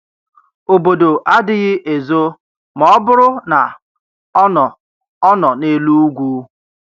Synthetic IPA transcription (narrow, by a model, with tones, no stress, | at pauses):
o˨bo˨do˨ʔa˦dɪ˦ɣɪ˦ʔe˨zo˦ | mɔ˨˦bʊ˦ɾʊ˦na˨ | ɔ˦nɔ˨ | ɔ˦nɔ˨ne˦lu˦u˦ɡʷu˦